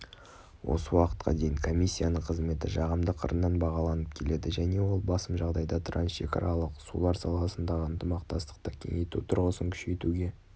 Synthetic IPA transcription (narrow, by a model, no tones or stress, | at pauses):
wʔo̞̰səwɑqə̥t̪̚qʰɑ̰d̪e̞jɪŋkʰo̞mʲijsʲːijanəɴqʰəzme̞t̪ɪʒɑʁəmd̪əqʰə̰ɾənːɑnbɑʁɑlˠɑnəp̚kʲʰe̞le̞d̪ɪʒæne̞wo̞lˠbɑsəmʒɑʁd̪ɑjd̪ɑt̪ʰɾansʃe̞̰kɑ̰ɾɑlˠəqsṵlˠɑɾsɑlˠɑsənd̪ɑʁəənt̪əmɑq̚t̪ɑst̪ə̥q̚t̪əkʲʰe̞ŋejt̪ut̪ʰʊɾʁəsəŋkʲʰʏ̥ʃe̞t̪uɡʲe̞